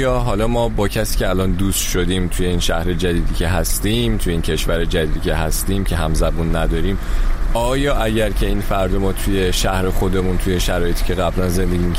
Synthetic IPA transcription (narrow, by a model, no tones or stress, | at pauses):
jɒːɦɒlɒːmɒːbɒːcʰæsiːcʰeælɒːnd̪ust̪ʃod̪iːmt̪ʰuːje̞inʃæhɾe̞d͡ʒæd̪iːd̪iːcʲʰe̞ɦæst̪iːmt̪ʰujeiːncʰe̞ʃvæɾed͡ʒæd̪iːd̪icʲʰe̞ɦæst̪iːmcʰe̞ɦæmzæbunːæd̪ɒːɾiːmɒːjɒːʔæɟæɾcʰe̞iːnfæɾd̪omɒːt̪ʰuje̞ʃæhɾe̞xo̞d̪e̞munt̪ʰuje̞ʃæɾɒːjeiːcʰe̞ɣæblænze̞nd̪e̞ɡɟiːm